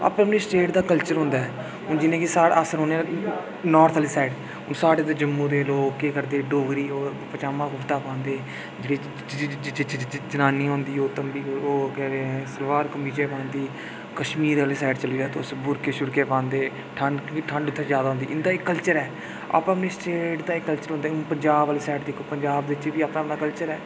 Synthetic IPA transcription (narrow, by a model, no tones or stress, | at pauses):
a̰ːpːəpniːsʈeːʈd̪aːkəlt͡ʃəɾɦʊ̃nd̪aːɛː | ɦʊnd͡ʒɪnẽːkisaːɽa̰əsəɾɦõːnẽː | nɔːɾt̪ʰəlisaːɪɖ | ʊnsaːɽeːd̪oːd͡ʒəmːũːd̪eːloːkːeːkəɾd̪eːɖoːɡɾiːoːpət͡ʃaːmãːkʊpt̪aːpãːnd̪eː | d͡ʒɪɽeː | t͡ʃt͡ʃd͡ʒənaːniːɦõːnd̪iːoːt̪əmbiːoːkɛːɾeɛ̃ːsəlʋaːɾkəmiːd͡ʒeːpãːnd̪iː | kəʃmiːɾaːliːsaːʈt͡ʃəliːd̪aːt̪oːsbʊɾkeːʃʊɾkeːpãːnd̪eː | ʈʰəɳɖʈʰəɳɖʊt̪ʰːzjaːd̪aːɦʊ̃ːnd̪iːɪnd̪aːɪkːəlt͡ʃəɾɛː | a̰ːpːəpneːsʈeːʈd̪aːɪkːəlt͡ʃəɾɦõnd̪aːʊnpəɲd͡ʒaːbaːliːsaːɪʈd̪eːkʰopəɲd͡ʒaːbd̪eːɪt͡ʃʋiːaːpnãːəpnaːkəlt͡ʃəɾɛː